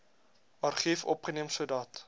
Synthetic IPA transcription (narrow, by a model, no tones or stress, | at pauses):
ɑrχifɔ̰pχəniəmsuədɑt